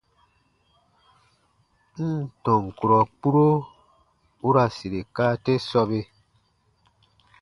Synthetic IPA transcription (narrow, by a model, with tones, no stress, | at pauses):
n̩˦˨tɔ̃˨ŋ˨ku˨ɾɔ˨k͡pu˦ɾo˦ | u˦ɾa˨si˨ɾe˨kaː˦te˦sɔ˧be˦